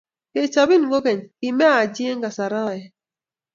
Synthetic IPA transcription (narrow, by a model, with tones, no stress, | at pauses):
ke˨t͡ʃa˨bi˦n˨ɡo˦kɛ˨nki˨mɛ˦a˦˨d͡ʒi˦e˦ŋɡa˨sa˨ɾa˦˨jɛ˨